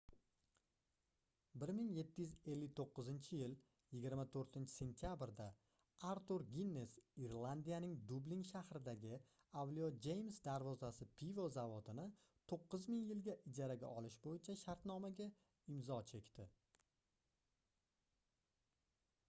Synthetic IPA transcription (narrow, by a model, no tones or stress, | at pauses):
bɪɾmɪŋje̞t̪ʰːɪjyze̞lːɪt̪ʰoqːɨzɪnt͡ʃʰɪjɪl | jɪɡʲɪɾmat̪ʰoɾt̪ɪnt͡ʃʰɪ̥se̞nt̪ʰijabɪɾd̪a | aɾt̪uɾɡʲinːesiɾlˠand̪ijanɪŋd̪ʊbliŋʃahɾɪd̪aɡʲɪ | avliod͡ʒe̞jmsd̪aɾvɒzasɪpʰivozavot̪ʰɪnɪ | t̪ʰoqːʊzmɪŋjɪlɡʲaʔɪd͡ʒaɾaɡʲa̰ʔɒlɪʃbojɪt͡ʃʰaʃaɾt̪nɒmaɡʲa | ɪmzɒt͡ʃʰe̞kʲt̪ʰɪ